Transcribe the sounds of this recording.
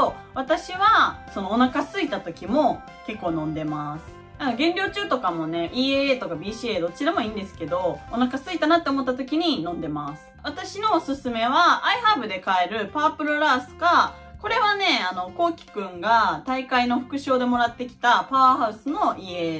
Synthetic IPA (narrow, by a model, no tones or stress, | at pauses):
so | β̞at̪aɕiβaso̞no̞ːnakasɨit̪at̪o̞kʲimo̞ | ke̞kːo̞ːnõ̞nd̪e̞masɨ̥ | aɡẽ̞nɾʲo̞ːt͡ɕɨːt̪o̞kamo̞ne̞ʔiːeeːt̪o̞kabʲiːɕieːd̪o̞t͡ɕiɾamo̞ĩːnd̪e̞sɨ̥ke̞d̪o̞onakasɨit̪anat̪ːeomo̞t̪ːat̪okʲiɲ̟inõ̞nd̪e̞masɨ̥βat̪aɕino̞ːsɨsɨme̞β̞aʔːihabɯ̟d̪e̞kae̞ɾɯ̟paːpɯ̟ɾɯ̟ɾaːsɨ̥ka | ko̞ɾe̞βane̞ano̞ko̞ːkʲi̥kɯ̟̃ŋɡat̪aikaino̞ɸɯ̟̥kɯ̟ɕo̞ːd̪e̞mo̞ɾat̪ːe̞kʲi̥t̪apaahaɯ̟sɨno̞ʔie